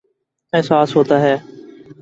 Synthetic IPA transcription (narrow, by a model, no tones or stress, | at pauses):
ɛːsaːsɦoːt̪aːɦɛː